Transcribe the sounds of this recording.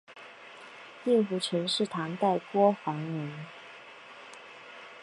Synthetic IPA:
i˥˩ŋfu˧˩ʈ͡ʂʰə˧˥nʂɻ̩˥˩t̪ʰɑ˧˥ŋt̪a˥˩ɪkwɔ˥fɑ˧˥ŋɻə˧˥n

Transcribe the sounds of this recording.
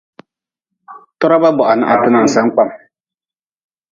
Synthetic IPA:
tɔ˦ɾa˦ba˦bɔ˨ʔa˨nɨ˨ʔa̰˨tɨ˦na˨n̩˨sa˦ŋk͡pa˦m

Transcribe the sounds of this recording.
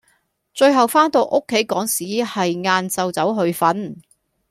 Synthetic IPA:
t͡ʃɵ˧ɥɦɐ˨wfaː˥nt̪o˧wʔo˥kʰːe˨˥jkɔː˨˥ŋsiː˨˥hɐ˨jŋaː˧nt͡sɐ˨˧wt͡sɐ˨˥wɦɵ˧ɥfɐ˨˥n

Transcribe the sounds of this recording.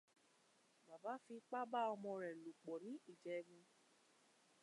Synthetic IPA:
ba˨ba˨˦fi˧k͡pa˦ba˦ɔ˧mɔ̃˧ɾɛ˨lo˨k͡pɔ˨nĩ˨˦i˦˨d͡ʒɛ˧ɡũ˧

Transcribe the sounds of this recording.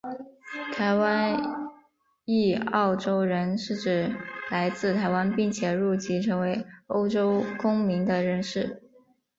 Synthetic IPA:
t̪ʰa˧˥ɪwa˥n | i˥˧ɑ˥˩ʊʈ͡ʂo˥ʊɻə˧˥nʂɻ̩˥˩ʈ͡ʂɻ̩˨˩la˧˥ɪt͡sɹ̩˥˩t̪ʰa˧˥ɪwa˥npi˥˩ŋt͡ɕʰjɛ˨˩ɻu˥˩t͡ɕi˧˥ʈ͡ʂʰɤ˧˥ŋwe˧˥ɪo˥ʊʈ͡ʂo˥ʊkʊ˥ŋmi˧˥ŋd̪ə˧ɻə˧˥nʂɻ̩˥˩

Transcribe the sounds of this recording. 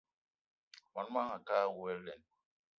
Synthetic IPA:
ma˨n˦ma˦ŋa˨ka˦wɛ˦llɛ˨n

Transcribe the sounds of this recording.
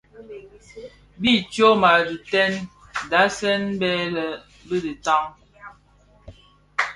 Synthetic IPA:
bi˦˨t͡ʃo˦ma˨di˨tɛ˦nda˨˦sɛ˦nbɛ˦lə˨ | bə˦di˨ta˦ŋ

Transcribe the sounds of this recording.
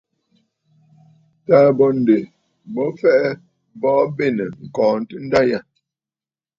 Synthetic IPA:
taː˦bɔ˨n̩˨de˨ | bɔ˦fɛ˦ʔɛ˦ | bɔː˦be˦˨nə˨ŋ̩˨kɔː˨n̩˨tɨ˦n̩˦da˦ja˦˨

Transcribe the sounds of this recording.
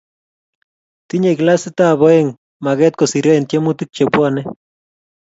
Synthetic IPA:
t̪i˦ɲe˨kla˦sɪ˦t̪a˦βo˨eŋ | ma˨ɣɛ˦t̪̚ko˨si˨ɾe˦nt̪je˦mu˦t̪i˦k̚t͡ʃe˨pwanɛ˦

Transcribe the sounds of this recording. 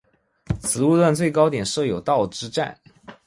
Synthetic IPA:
t͡sʰɹ̩˧˥u˥˧lwa˥˧nt͡swe˥˩ɪkɑ˥ʊt̪jɛ˨˩nʂɤ˥˩jo˨˩ʊt̪ɑ˥˩ʊʈ͡ʂɻ̩˥ʈ͡ʂa̰˥˩n

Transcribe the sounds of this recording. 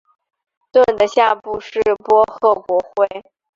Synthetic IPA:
t̪wə˥˩nd̪ə˦ɕja˥˧pu˥˧ʂɻ̩˥˩pwɔ˥xɤ˥˩kwɔ˧˥xwe˥˩ɪ

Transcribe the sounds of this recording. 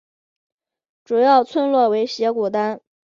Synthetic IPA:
ʈ͡ʂu˨˩jɑ˥˩ʊt͡sʰwə˥˧nlwɔ˥˩we˧˥ɪɕjɛ˧˥ku˨˩t̪a˥n

